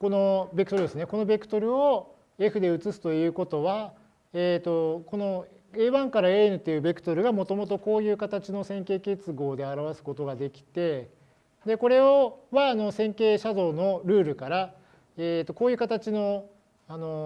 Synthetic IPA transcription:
ko̞no̞bekɯ̟t̪oɾɯd̪e̞sɨneko̞no̞be̞kɯ̟̥t̪o̞ɾɯ̟o | e̞ɸɯ̟d̪e̞ɯ̟t͡sɨsɨ̥t̪o̞jɯ̟ːko̞t̪o̞βa | et̪o̞ko̞no̞ | eːβãŋkaɾae̞ːnɯ̟t̪ːe̞jɯ̟ːbe̞kɯ̟̥t̪o̞ɾɯ̟ɡamo̞t̪o̞mo̞t̪̬o̞ko̞ːjɯ̟ːkat̪at͡ɕino̞sẽ̞ŋke̞ːke̞t͡sɨɡo̞ːd̪e̞aɾaβasɨ̥ko̞t̪o̞ɡad̪e̞kʲi̥t̪e̞ | d̪e̞ko̞ɾe̞oβaːno̞sẽ̞ŋke̞ːɕazo̞ːno̞ɾɯ̟ːɾɯ̟kaɾa | et̪ːo̞ko̞ːjɯ̟ːkat̪at͡ɕino̞ | ano̞

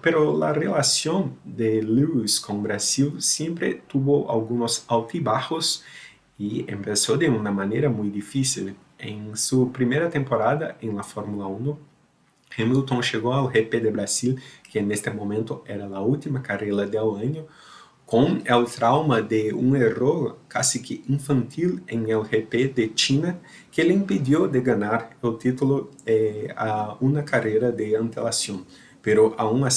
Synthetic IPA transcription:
peɾolarelasjõnd̪eluiskõŋbɾasilsjẽmpɾḛt̪uβoʔa̰lɡũnosawt̪ibahos | iḛ̃mpesod̪eunɐmãneɾɐmujd̪ifisil | ḛ̃ŋsupɾimeɾɐt̪ẽmpoɾaðɐʔẽŋlafoɾmulaũno | hẽmilt̪õŋʃeɣoalxeped̪ebɾasilkeːnest̪emõmẽnt̪ʊɛɾɐlault̪imɐkarelɐd̪eawãɲo | kõŋelt̪ɾawmɐd̪eṵ̃ŋeroɾkasikɪʔĩŋfɐ̃nt̪ʰilẽŋelheped̪et͡ʃinɐ | keleĩmpid̪jod̪eɡanaɾelt̪it̪uloɛaunɐkarejɾɐd̪eɐ̃nt̪elasjõŋ | peɾoʔaũŋas

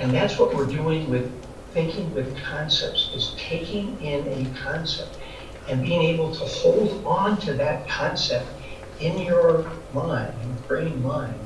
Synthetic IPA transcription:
ɨ̃nðætswʌʔ̚wɪɹduɪ̃ŋwɪð̥ | θɪ̃ŋkɪ̃ŋwɨð̥kʰɑ̃nsɛ̰p̚tsɨz̥tʰeɪkɪ̃ŋɪ̃nɨkʰɑ̃nsɛ̰p̚t̚ | ɨ̃nbiɪ̃ŋeɪbl̩ˠtʰəhoʊlˠd̃n̩tʰɨðɨt̚kʰɑ̃nsɛp̚t̚ | ɪ̃njə˞mãɪ̃ndɨ̃nbɹɪ̃ɪɪ̃ŋmãɪ̃nd̥

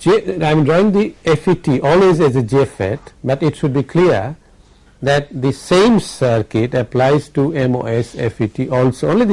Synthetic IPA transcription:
d͡ʒeãɪ̃m̃ɖɾɔɪɪ̃ŋd̪iefiʈiʔɔːlweːzɛzəd͡ʒifɛ̰ʈbʌʈɪʈʃʊɖ̚bikʰliəɾ | d̪æʈ̚d̪isẽːmsəɾkɪʈəplaɪzʈuɛ̃mo̰ːɛsḛfiʈiʔɔːlsoõːnlid̪

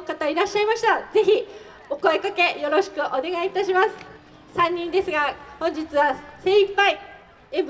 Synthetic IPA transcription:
kat̪aiɾaɕːaimaɕi̥t̪aze̞çi | o̞ko̞ekake̞jo̞ɾo̞ɕi̥kɯ̟ʔo̞ne̞ɡait̪aɕimasɨ̥ | sãɲ̟ːĩnd̪e̞sɨɡahõɲ̟d͡ʑit͡sɨβase̞ːipːai | ẽm

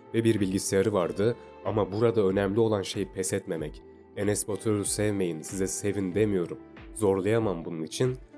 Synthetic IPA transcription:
vɛbiɾbilʲɟisejaɾɯvaɾd̪ɯ | amabuɾad̪aø̞nɛmlʲio̞lˠanʃe̞jipʰɛsɛt̪me̞mɛc | enɛsbot̪ʰølusɛvme̞jinsizɛse̞vind̪e̞mijo̞ɾum | zo̞ɾlˠajamambununit͡ʃʰin

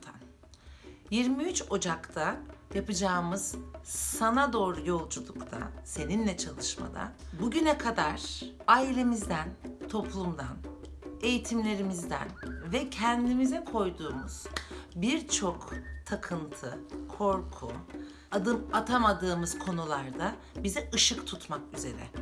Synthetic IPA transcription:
an | jiɾmiyt͡ʃo̞d͡ʒakt̪ʰajapɯd͡ʒaːmɯz̥sanad̪o̞ːɾujo̞lˠd͡ʒulˠukt̪ʰa̰se̞ninlʲɛt͡ʃʰalˠɯʃma̰d̪a̰buɟynɛkʰad̪aɾ̥ | ailʲe̞mizd̪ænt̪ʰo̞pʰlˠumd̪an | e̞jit̪ʰimlʲe̞ɾimizd̪æ̰nvɛcʰɛnd̪imizɛkʰo̞jd̪uːmuz̥biɾt͡ʃʰo̞kt̪ʰakʰɯnt̪ʰɯkʰo̞ɾkʰṵ | ad̪ɯmat̪ʰamad̪ɯːmɯz̥kʰo̞nulˠaɾd̪a | bizɛɯʃɯkt̪ʰut̪makyze̞ɾɛ̰

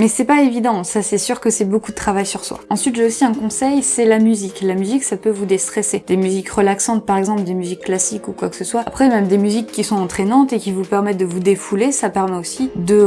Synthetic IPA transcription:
mɛsɛpaevid̪ɑ̃sasɛsyʁkəsɛbokud̪ət̪χavajsyʁswa̰ɑ̃sɥit̪ʒeosiɛ̃kɔ̃sɛjsɛlamyziklamyziksapøvud̪est̪χesed̪̥emyzikʁəlaksɑ̃t̪̚paʁɛɡzɑ̃pld̪emyzikːlasikukwaksəswaapχɛmɛmd̪emyzikʰʲːisɔ̃ɑ̃t̪χenɑ̃t̪ekʲivupɛʁmɛt̪̚d̪əvud̪efulesapɛʁmɛosid̪ə

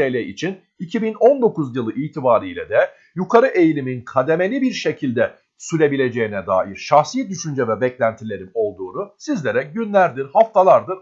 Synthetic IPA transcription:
ejlʲɛḭt͡ʃʰin | icʰibino̞nd̪o̞kuzjɯlˠɯʔiːt̪ʰibaːɾijlʲɛ̰d̪ɛ | jukʰaɾɯʔe̞jlʲiminkʰad̪e̞me̞lʲibiɾʃe̞cʰilʲd̪ɛ | syɾʲe̞bilʲe̞d͡ʒe̞jinɛd̪a̰ːʔiɾʃaxsijɛt̪̚d̪yʃynd͡ʒɛvɛbɛclʲænt̪ʰilʲe̞ɾino̞lˠd̪uːnusizlʲe̞ɾɛɟynlʲæɾd̪iɾhaft̪ʰalˠaɾd̪ɯɾ

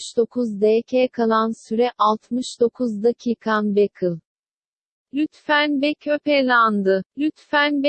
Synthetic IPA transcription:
ʃd̪o̞kʰuzd̪eːcʰɛkʰalˠansyɾɛʔalˠt̪ʰmɯʃd̪o̞kʰuzd̪acʰiːkʰanbekʰɯlˠ | lʲyt̪fænbɛcʰøpɛlʲand̪ɯlʲyt̪fænb

